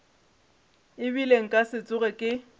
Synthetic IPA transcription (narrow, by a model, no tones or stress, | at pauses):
ɪbileŋ̩kʼasɪt͡sʼʊɣɛkʼɪ